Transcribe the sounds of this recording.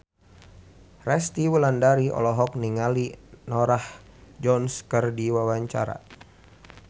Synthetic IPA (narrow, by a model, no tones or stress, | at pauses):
rɛst̪iwəlandaɾiɔ̰lɔɦɔk̚niŋalinɔɾahd͡ʒɔnskərdiwawaɲt͡ʃa̰ɾa̰